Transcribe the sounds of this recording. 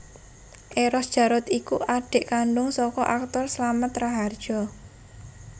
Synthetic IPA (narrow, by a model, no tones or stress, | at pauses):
ʔeɾɔsd̥ʒ̥ä̤ɾʊt̪ikuʔaɖ̥e̤ʔkaɳɖʊŋsɔkɔʔak̚t̪ɔrslamət̪raɦard̥ʒ̥ɔ